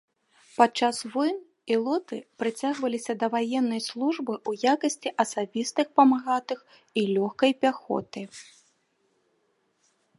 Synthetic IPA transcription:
pat̪t͡ʂasvɔjnʲ | ilˠɔt̪ɨpɾɨt͡sʲaɣvɐlʲisʲɐd̪ɐvajɛnːɐjslˠuʐbɨʔujakɐsʲt͡sʲiʔɐsabʲist̪ɨxpɐmaɣat̪ɨx | ilʲɔxkɐjpʲaxɔ̰t̪ɨ

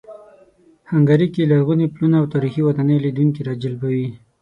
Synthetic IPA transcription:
haŋɡaɾikelaɾɣuneplunaːwt̪ɑɾixiwad̪anəjlid̪uŋkiɾɑd͡ʒalbawi

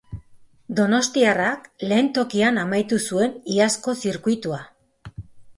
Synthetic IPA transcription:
d̪o̞no̞st̪iarakle̞ːnt̪o̞kianamajt̪usue̞niasko̞siɾkujt̪ua

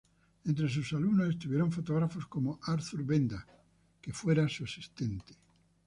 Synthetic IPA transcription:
ent̪ɾe̞s̬usalumnosest̪uβjeɾõ̞ɱfo̞t̪o̞ɣ̞ɾafo̞sko̞moʔaɾθuɾβe̞nd̪a | ke̞fwe̞ɾasuasist̪e̞nt̪e̥

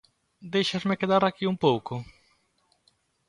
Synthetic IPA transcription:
d̪ejʃazmɪkeðaɾakiumpowkʊ

